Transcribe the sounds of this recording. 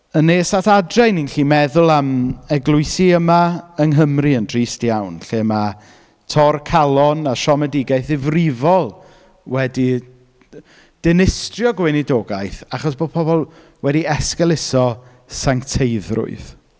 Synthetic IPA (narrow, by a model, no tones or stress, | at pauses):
ənːesatadrajninɬiːmɛðʊlˠamɛɡlˠʊɨsiəmaəŋɦəmriəndriːstjawnɬema | tʰɔrkʰalˠɔnaʃɔmɛdɪɡajθɪvrɪvɔlˠ | wɛdi | d̥ɪnɪstrjɔɡwɪnidoːɡajθaχɔsb̥oːd̚pʰɔbɔlˠ | wɛdiɛskɛlˠɪsɔ | saŋktʰejðrʊ̰ɨð